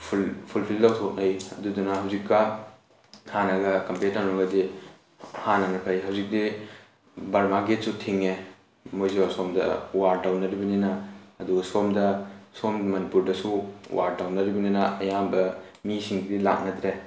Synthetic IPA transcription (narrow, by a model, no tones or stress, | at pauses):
pʰupʰulpʰildawtʰok̚nɐjɐdudɐnɐhɐwzikːɐ | hanɐɡɐkɐmpet̚ːaŋloŋɡɐdi | hanɐnɐkʰɐjɦɐwzik̚di | bɐɾmaɡet̚sutʰiŋe | mojzewasomdɐ̰waɾdawnɐɾibɐninɐːduɡɐsomdɐsommɐnipuɾdɐsuwʔaɾdawnɐɾibɐninɐɐjambɐmisiŋɡidila̰k̚nɐd̪ɾe